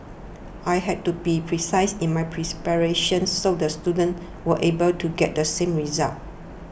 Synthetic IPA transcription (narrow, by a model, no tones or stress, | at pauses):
ʔajɦɛd̚tubipʰɹisaɪsĩnmajpʰɹispɛɹeʃə̃nsodəstjudə̃n | wəʔebəltʰuɡɛt̚dəsẽmɹiza̰lt̚